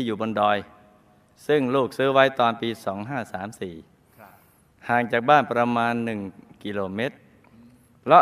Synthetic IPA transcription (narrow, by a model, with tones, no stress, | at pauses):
iː˥˩juː˨˩bo˧ndɔː˧j | sɯ˥˩ŋluː˥˩k̚sɯː˦˥wa˦˥jt̪ɔː˧npiː˧sɔː˩˦ŋɦaː˥˩saː˩˦msiː˨˩ | haː˨˩ŋt͡ɕaː˨˩k̚baː˥˩npɾa˧maː˧nːɯ˨˩ŋki˧loː˧me˦˥t̪̚ | pʰlɔ˦˥